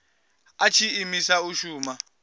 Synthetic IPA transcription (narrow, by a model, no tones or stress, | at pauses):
at͡ʃʰiimisauʃuːma